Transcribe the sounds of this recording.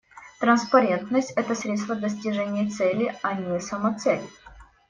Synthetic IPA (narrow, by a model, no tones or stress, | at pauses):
t̪ɾənspɐɾʲe̞nt̪nəsʲtʲɛt̪əsɾʲet̪st̪vəd̪əsʲtʲɪʐɛnʲɪjət̪sɛlʲɪɐnʲɪsəmɐt̪sɛlʲɪ